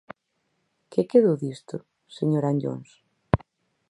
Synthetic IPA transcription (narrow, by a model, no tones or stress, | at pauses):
kekeðoðist̪ʊ | seɲoɾaɲʎo̰ns